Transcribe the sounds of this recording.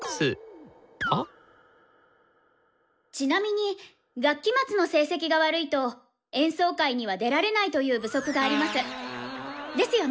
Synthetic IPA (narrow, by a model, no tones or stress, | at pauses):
sɨ | a | t͡ɕinamʲiɲ̟i | ɡakʲːimat͡sɨno̞se̞ːse̞k̬ʲiɡaβaɾɯ̟it̪o̞ | ẽ̞ɰ̃so̞ːkaiɲ̟iβ̞ad̪e̞ɾaɾe̞nait̪o̞jɯ̟ːbɯ̟so̞kɯ̟ɡaːɾʲimasɨ | d̪e̞sɨjo